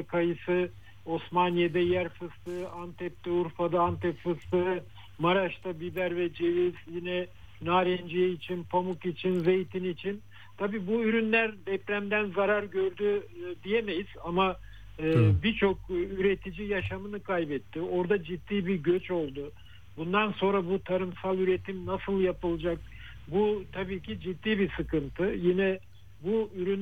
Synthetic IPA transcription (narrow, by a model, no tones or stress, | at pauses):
kʰajɯsɯ | o̞smanjed̪ɛjæɾfɯst̪ɯant̪ʰɛp̚t̪ɛuɾfad̪aant̪ʰɛpfɯst̪ɯ | maɾaʃt̪abibæɾvɛd͡ʒe̞viz̥jinɛ | naːɾɛnd͡ʒijɛit͡ʃʰinpʰamukit͡ʃʰinzejt̪ʰinit͡ʃʰin | t̪ʰabiːbuyɾynlʲæɾd̪ɛpɾæmd̪ænzaɾaɾɟø̞ɾd̪yd̪ijeme̞jiz̥ama | ɯːbiɾt͡ʃʰok̚yɾe̞t̪ʰid͡ʒijaʃamɯnɯkʰajbɛt̪ʰːio̞ɾd̪ad͡ʒit̪ːiːbiɾɟøt͡ʃo̞lˠd̪ʊ | bund̪anso̞nɾabut̪ʰaɾɯmsalˠyɾet̪ʰimnasɯlˠjapɯlˠɯd͡ʒak̚ | but̪ʰabiːcʰid͡ʒit̪ːiːbisɯkɯnt̪ʰɯjinɛ | buyɾyn